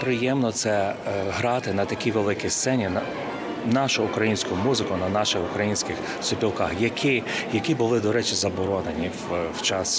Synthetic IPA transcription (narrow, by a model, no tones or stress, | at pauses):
pɾɪjɛmnɔt̪sɛɦɾɑt̪ɪnɐt̪ɐkʲiʋelˠɪkist̪sɛnʲinɐ | nɑʃʊʊkɾɐjinʲsʲkʊmuzɪkʊnɐnɑʃɪxʊkɾɐjinʲsʲkɪx | sʊpʲilˠkɑxjɐkʰʲɪjɐkʲibʊlˠɪd̪ɔɾɛt͡ʃɪzɐbɔɾɔnenʲiwwt͡ʃɑs